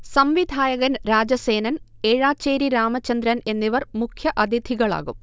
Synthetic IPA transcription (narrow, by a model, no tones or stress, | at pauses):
sɐmʋid̪ʱaːjɐɣɐnɾaːd͡ʑɐse̞ːnɐn | eːɻaːt͡ɕeːɾiɾaːmɐt͡ɕɐnd̪ɾɐne̞nːiʋɐrmukʰjɐʔɐd̪ʱid̪ʱiɣɐɭa̰ːɣum